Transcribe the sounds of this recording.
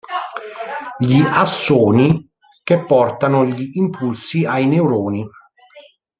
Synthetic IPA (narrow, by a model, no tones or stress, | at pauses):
ʎiʔasːoːni | kepːɔrt̪anʊʎiːmpʰulsiajneuɾoːni